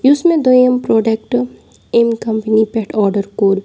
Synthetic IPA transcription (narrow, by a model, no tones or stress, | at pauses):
jusmẽd̪oːjəmpɾɔːɖek̚ʈ | emkɐ̃mpənipɛʈɔːɾɖəɾkoːɾ